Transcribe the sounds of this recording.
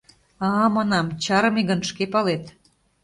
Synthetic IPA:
ɑmɑnɑmt͡ɕɑɾɤmeɣənʃkepɑlet̪

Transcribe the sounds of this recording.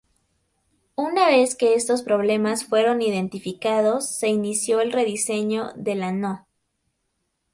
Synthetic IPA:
unaβe̞ske̞e̞st̪o̞spɾo̞βle̞masfwe̞ɾo̞niðe̞nt̪ifikaðo̞sːe̞inisjo̞elre̞ðise̞ɲo̞ðe̞lano

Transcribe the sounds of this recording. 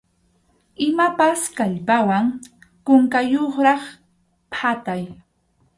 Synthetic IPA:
ɪmapaskaʎpawaŋkʊŋkajoχɾɑχ | pʰat̪aj

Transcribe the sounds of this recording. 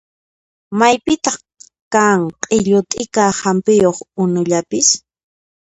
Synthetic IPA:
majpɪt̪ɑχ | kaŋqʼɪʎʊt̪ʼɪkahampɪjoχʊnʊʎapɪs

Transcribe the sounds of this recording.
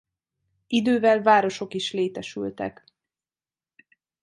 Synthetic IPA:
id̪øːvɛlvaːɾo̞ʃo̞kiʃleːt̪ɛʃy̰lt̪ɛ̰k

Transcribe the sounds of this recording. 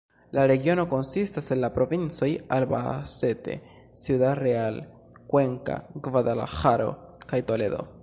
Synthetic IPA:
laɾe̞ɡio̞no̞ko̞nsistase̞nlapɾo̞vint͡so̞jalba̰se̞te̞̰ | siudaɾeal | kwe̞ŋka̰ɡvadala̰xaɾo̞̰kajto̞le̞d̪o̞̰

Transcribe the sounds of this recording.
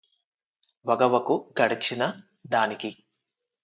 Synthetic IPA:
ʋɐɡɐʋɐkuɡɐɽit͡ʃinɐ | d̪aːniki

